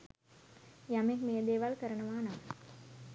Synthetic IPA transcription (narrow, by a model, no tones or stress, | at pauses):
jamekmejəd̪eːʋalkəɾənəʋaːnam